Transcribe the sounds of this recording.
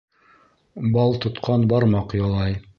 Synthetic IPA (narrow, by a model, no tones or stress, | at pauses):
bɑlˠt̪ŏt̪qʰɑnbɑɾmɑqjɑlˠɑj